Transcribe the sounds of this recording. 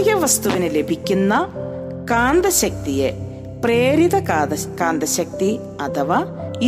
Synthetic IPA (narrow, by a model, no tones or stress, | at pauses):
ɣɐʋɐst̪uʋinele̞bʱikʲːunːɐ | kaːnd̪ɐɕɐk̚t̪ije | preːɾiðɐkaːnd̪ɐɕɐk̚t̪i | ɐt̪ʰɐʋa | i